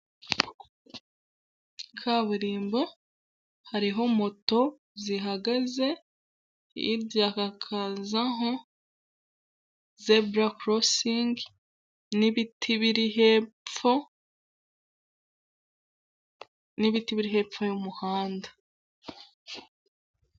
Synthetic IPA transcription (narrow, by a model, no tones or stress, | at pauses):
kʰaβuɾiːmba | haɾiɦo̞mo̞to̞ | ziɦaɡaze̞ | ḭɾɟakakʰazaɦo̞ | zebɾakɾosiŋɡ | niβitʰiβiɾiheo | niβitiβiɾiɦe̞ːfojumuhaːnda